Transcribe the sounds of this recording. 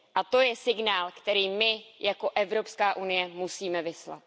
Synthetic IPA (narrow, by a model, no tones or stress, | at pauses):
ʔat̪o̞jɛsɪɡnaːlkt̪ɛɾiːmɪjʔako̞ʔɛvɾo̞pskaːʔunɪjɛmusiːmɛvɪsla̰t̪̚